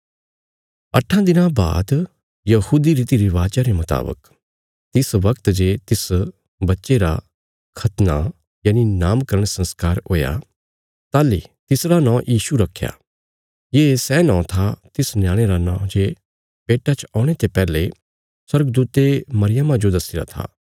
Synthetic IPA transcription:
ɐ̰ʈʰãd̪ɪnãba̰ːd̪ | jɐhuːd̪iɾiːt̪iɾiʋaːd͡ʒaɾemɐt̪a̰ːbə̰k | t̪ɪsʋɐkt̪d͡ʒeːt̪ɪs | bɐtːʃeɾa̰ | kʰɐt̪na | jaːninaːmkɐɾəɽ̃sɐ̃nskaːɾɦoːja̰ | t̪aːlit̪ɪsɾanãːjʔiːʃuɾɐkʰːja̰ | jeːsɛːnɔ̃ːt̪ʰat̪ɪsnjãːɽ̃eɾanã̰ːd͡ʒeː | peːʈat͡ʃɔːɽ̃et̪epɛːle | swɐɾɡd̪uːt̪emɐɾɪjəmãd͡ʒod̪ɐsiɾa̰t̪ʰa̰ː

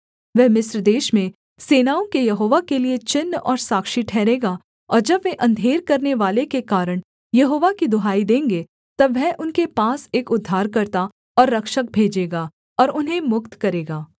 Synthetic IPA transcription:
ʋɛɦmɪsɾd̪eːʃmẽ | seːnaːõkejɐɦoːʋakeliet͡ʃɪnːɔ̰ːɾsaːkʃiʈʰɛːɾeːɡaː | ɔːɾd͡ʒɐbʋeʔɐ̃nd̪ʱeːɾkɐɾneʋaːlekekaːɾəɽ̃ | jɐɦoːʋakid̪ʊɦaːid̪ẽːŋɡe | t̪ɐbʋɛɦʔʊnkepaːseːkʊd̪ʱːaːɾkɐɾt̪a | ɔːɾːɐkʃək̚bʱeːd͡ʒeːɡaː | ɔːɾʊnɦẽmʊkt̪kɐɾeːɡaː

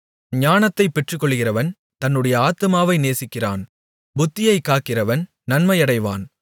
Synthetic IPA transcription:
ɲaːnɐt̪ːɐɪpːɛʈrɯkːɔɭːɣɪrɐʋɐn | t̪ɐnːɯɽɐjɐaːt̪ːɯmaːʋɐɪneːsɪkːɪra̰ːn | bʊt̪ːɪjɐɪkːaːkːɪrɐʋɐn | nɐnmɐjɐɽɐɪʋa̰ːn

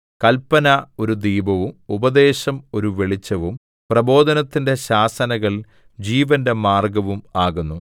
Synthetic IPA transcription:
kɐlpːɐnɐo̞ɾud̪iːbɐʋumubɐd̪e̞ːɕɐmo̞ɾuʋe̞ɭit͡ɕːɐʋum | prɐbo̞ːd̪ʱɐnɐt̪ːinde̞ɕaːsɐnɐɣɐɭ | d͡ʑiːʋɐnde̞maːrɡɐʋumaːɣunːu

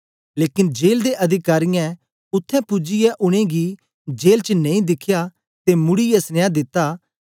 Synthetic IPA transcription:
leːkɪnd͡ʒeːld̪eʔɐd̪ʱɪkaːɾɪjɛ̃ | ʊt̪ʰːɛ̃pʊd͡ʒɪjɛʔʊɽ̃ẽɡi | d͡ʒeːlt͡ʃənẽĩd̪ɪkʰja | t̪emʊɽijɛsnɪjad̪ɪt̪ːaː

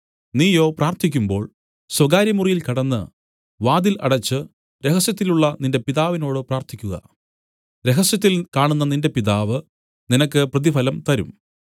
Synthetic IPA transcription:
niːjo̞ːpraːrt̪ʰikʲːumbo̞ːɭ | swɐɡaːɾjɐmurijilkɐɽɐnːɨ | ʋaːd̪ilʔɐ̰ɽɐt͡ɕːɨ | ɾe̞ɦɐsjɐt̪̬ːiluɭːɐninde̞piðaːʋino̞ːɽɨpraːrt̪ʰikʲːuɣɐ̰ | ɾe̞ɦɐsjɐt̪̬ːilkaːɳunːɐninde̞piðaːʋɨ | ninɐkːɨprɐðifɐlɐmt̪ɐɾṵm

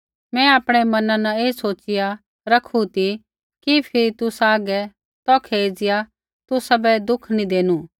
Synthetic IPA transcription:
mɛ̃aːpɽ̃ɛmɐnãnaeːsoːt͡ʃɪja | ɾɐkʰut̪i | kipʰɪɾit̪ʊsaːɡɛ | t̪ɔːkʰeːd͡ʒɪja | t̪ʊsabɛd̪ʊkʰnĩd̪eːnũː

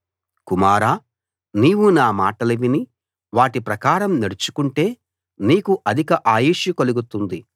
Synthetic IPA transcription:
kumaːɾaː | niːwunaːmaːʈɐlɐʋini | ʋaːʈipɾɐkaːɾɐmneɽut͡ʃu̥kuɳʈe̞ː | niːkuʔɐd̪ʱikɐʔaːjiːʂikoluɡut̪und̪i

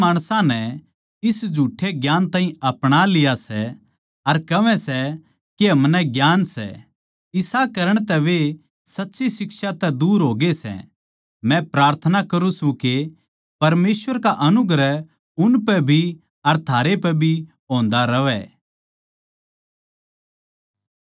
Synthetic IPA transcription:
maːɽ̃sãnɛ | ɪsd͡ʒʱuːʈʰːeɡjaːnt̪aːɦĩɐpɽ̃alɪjasɛ | ɐɾkɐʋɛsɛ | keɦɐmnɛɡjaːnsɛ̰ | ɪsakɐɾəɽ̃t̪ɛʋe | sɐtːʃisɪksat̪ɛd̪uːɾɦoːɡesɛ̰ | mɛ̃pɾaːɾt̪ʰənakɐɾũsũke | pɐɾmeːsʋəɾkaʔɐnʊɡɾə | ʊnpɛbʱi | ɐɾt̪ʰaːɾepɛbʱi | ɦõːnd̪aɾɐʋɛ̰

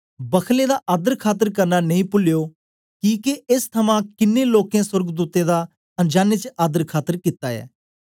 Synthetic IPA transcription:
bəkʰled̪aʔaːd̪əɾkʰaːt̪̬əɾkɐɾnaneĩːpʊljoː | kiːkeɪst̪ʰɐmãkɪnːẽloːkẽswəɾɡd̪uːt̪ed̪a | ɐ̃nd͡ʒaːnet͡ʃəaːd̪əɾkʰaːt̪ːəɾkɪt̪aɛ̰ː

